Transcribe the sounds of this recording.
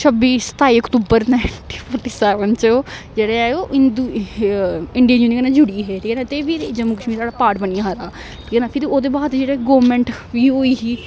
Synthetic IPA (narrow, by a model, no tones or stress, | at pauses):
t͡ʃʰəbiːsə̥t̪aːiːəkt̪uːbəɾnaʈiːpʰɔːɾʈiːsɛːʋənt͡ʃːd͡ʒeːɽeɛoːɪnd̪u | ɪɳɖijaːjuːniːkənãːd͡ʒʊɽiːɦeːɾinãːt̪eːʋiːɾd͡ʒəmːuːkəʃmiːɾsaːɽaːpaːɾʈbəniãːɦaɾaː | pːnaːpʰɪɾioːd̪eːbaːd̪d͡ʒeːɽeɡoːʋmɛ̃ːɳʈʋiːɦoːiːɦiː